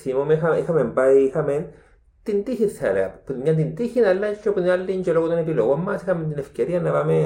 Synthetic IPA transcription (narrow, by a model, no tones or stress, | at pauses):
simomeɦaxamempaihamen | t̪int̪ihit̪sa̰lea̰pmiant̪̬int̪ihinalat͡ʃopualːint͡ʃolokononepilowamashament̪inefkaɾianaβame